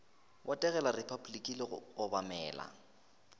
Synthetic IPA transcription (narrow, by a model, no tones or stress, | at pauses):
wʔatʼɛɣɛlarɪpʰablikʼilɪɣʊbamɛːla̰